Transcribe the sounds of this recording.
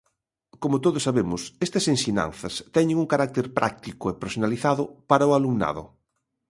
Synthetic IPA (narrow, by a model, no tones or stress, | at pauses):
komʊt̪oðʊsːaβemʊsɛst̪ɐsensiɲã̰nθɐst̪ɛɲɪ̃ŋuŋkaɾak̚t̪eɾpɾʔa̰k̚t̪ikʊepeɾsonaliθaðʊpaɾɐʊalumna̰ðʊ̰